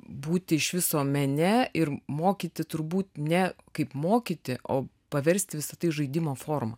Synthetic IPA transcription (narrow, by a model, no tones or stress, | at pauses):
buːt̪ʲɪɪʃʋʲɪsoːmʲɛnʲɛɪɾmoːkʲiːt̪ʲɪt̪ʊɾbuːt̪nʲɛkɐɪpmoːkʲiːt̪ʲɪʔo̰ː | pɐʋʲɛɾʲsʲt̪ʲɪʋʲɪsɐt̪ɐɪʒɐɪd̪ʲɪmoːfoːrmɐ